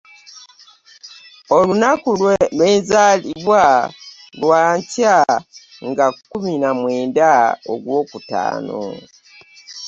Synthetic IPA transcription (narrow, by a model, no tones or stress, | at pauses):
olunakulwelweːnzaːliβwa | lwaːɲca | ŋɡakuminamwe̞ːndao̰ɡwo̞ːkuta̰ːno̰